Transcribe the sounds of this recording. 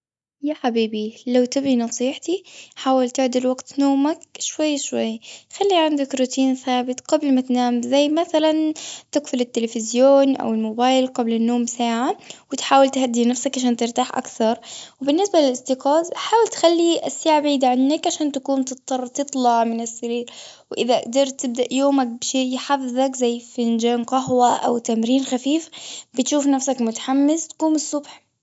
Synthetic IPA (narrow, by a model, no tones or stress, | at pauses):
jaːħabiːbilawt̪ɪbinɑsˤiːħt̪iħaːwalt̪ɪʕd̪ɪlwaɡt̪noːmakʃwajːʃwajːxalːiʕand̪akɾuːt̪iːnθaːbɪt̪ɡ̥ablmat̪naːmzajːmaθalant̪ɪɡfʊlɪt̪ːɪlefɪzjoːnʔa̰wɪlmobaːjlqablɪnːoːmsaːʕawɪt̪ħaːwɪlt̪had̪ːinafsakʕaʃ̬aːnt̪ɪɾt̪aːħʔa̰kθɑɾˤwɪbɪnːɪsbalɪlʔɪst̪ɪqɑːzħaːwɪlt̪xalːiʔasːaːʕabiːd̪aʕanːakʕaʃaːnt̪akuːnt̪ɨt̪ːɑrˤt̪ɨt̪ˤlɑʕmɪnɪsːaɾiːɾ | wʔɪðad̪ɑɾˤt̪ɪb̚d̪aʔjoːmak̚bɪʃeːjħafɪðˤakzajːfɪnd͡ʒaːnqɑɦwaʔa̰wt̪amɾiːnxafiːfbɪt̪ʃuːfnafsakmʊt̪ḁħamːɪst̪ḁkuːmɪsˤːʊbħ